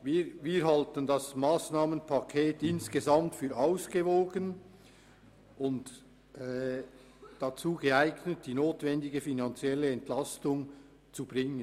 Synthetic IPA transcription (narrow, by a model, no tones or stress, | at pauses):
viːɾviːɾɦaltəndasmaːsnaːmənpʰakʰeːtɪnsɡ̥əzamtfyːɾaʊsɡ̥əvoːɡən | ʔʊntː | d̥at͡suːɡəaɪɡnət̚d̥iːnoːtv̥ɛndɪɡəfinant͡sjɛləɛntlastʊŋ | t͡sub̥ʁɪŋən